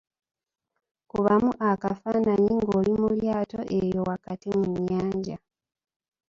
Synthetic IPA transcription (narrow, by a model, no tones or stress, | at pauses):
kuβamuʔakafanaɲiŋɡoːlimuljaːtoʔejo̞wakatimuɲːaːɲɟa